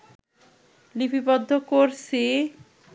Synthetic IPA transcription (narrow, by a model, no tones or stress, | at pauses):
lipʰipɔd̪ʱːokoɾse